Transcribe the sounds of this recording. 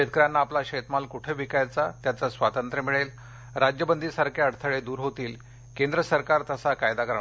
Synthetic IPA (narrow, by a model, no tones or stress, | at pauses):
ɕet̪̚kɾjanːaːplaɕet̪malkuʈʰeʋikajat͡sat̪jat͡sasʋat̪ənt̪ɾəmiɭel | ɾad͡ʑjəbənd̪isaɾkʰeəɽt̪ʰəɭed̪uːɾɦot̪iːl | kend̪ɾəsəɾkaɾt̪əsakajd̪akəɾɳa